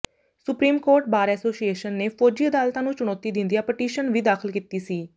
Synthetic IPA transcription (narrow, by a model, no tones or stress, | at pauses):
sʊpɾiːmkoːɾʈ̚baːɾɛːsoːsieːʃənːeːpʰoːd͡ʒiːəd̪aːlt̪ãːnũːt͡ʃʊɳ̃ɔːt̪iːd̪ɪ̃nd̪iaːpɛʈiːʃənʋiːd̪aːkʰɪlkiːt̪iːsiː